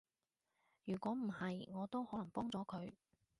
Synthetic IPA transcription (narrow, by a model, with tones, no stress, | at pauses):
jyː˨˩kʷɔː˨˥m̩˨˩hɐ˨jŋɔː˨˧t̪o˥whɔː˨˥lɐ˨˩ŋpɔː˥ŋt͡sɔː˨˥kʰɵ˨˧ɥ